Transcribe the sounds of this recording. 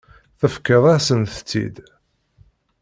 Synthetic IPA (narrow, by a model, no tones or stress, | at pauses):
θəfkəðˤæsənθt͡sːḭd̪